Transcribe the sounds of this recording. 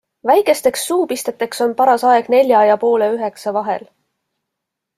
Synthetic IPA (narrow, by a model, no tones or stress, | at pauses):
væjkˑe̞st̪e̞ksːuːpist̪e̞t̪ːˑe̞kso̞npɑɾɑsɑe̞ɡ̥ne̞lʲjɑɑjɑpo̞ːleyɦe̞ksɑvɑɦḛl